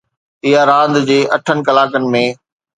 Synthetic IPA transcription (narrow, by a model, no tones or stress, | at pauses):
ɪɦaɾãːnd̪d͡ʑeːʔɐʈʰənɪ̆kɐlaːkənɪ̆mẽː